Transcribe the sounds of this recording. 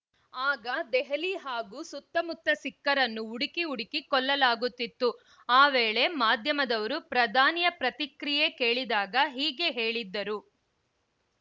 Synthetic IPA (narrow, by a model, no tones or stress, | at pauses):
aːɡɐd̪ɛɦɐliɦaːɡuːsut̪ːɐmut̪ːɐsikːɐɾɐnːuːɽikiuɽikikɔlːɐlaːɡut̪ːit̪ːu | aːʋeːɭe̞maːd̪ʱjɐmɐd̪ɐʋɐɾupɾɐd̪ʱaːnijɐpɾɐt̪ikɾije̞keːɭid̪aːɡɐɦiːɡe̞ɦe̞ːɭid̪ːɐɾu